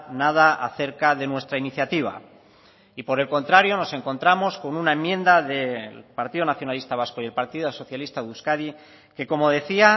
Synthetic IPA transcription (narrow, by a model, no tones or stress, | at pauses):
naðaʔaθe̞ɾkaðe̞nwe̞st̪ɾainiθjat̪iβ̞a̰ | ipo̞ɾe̞lko̞nt̪ɾaɾjo̞no̞se̞ŋko̞nt̪ɾamo̞sko̞nunaẽmːjẽ̞nd̪aðe̞lpaɾt̪iðonaθjo̞nalist̪aβ̞asko̞je̞lpaɾt̪iðoso̞θjalist̪aðuskaði | ke̞ko̞mo̞ðe̞θia